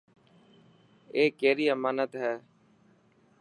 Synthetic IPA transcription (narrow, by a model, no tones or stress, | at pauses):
eːkeːɾiːəmaːnət̪ɦɛː